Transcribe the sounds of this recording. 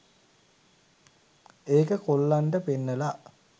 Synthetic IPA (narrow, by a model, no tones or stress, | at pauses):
eːkəkolːaɳʈəpinːəla